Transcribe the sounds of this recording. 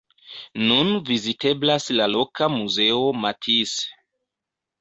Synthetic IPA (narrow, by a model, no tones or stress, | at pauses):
nunvizite̞blaslalo̞kamuze̞omatʰis